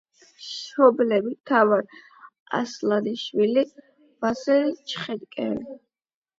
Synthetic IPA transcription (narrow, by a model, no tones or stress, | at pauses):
ʃɔblɛbit̪ʰavaɾ | a̰slˠad̪iʃwili | b̥asɛɾit͡ʃʰχɛd̪kʼɛ̰ni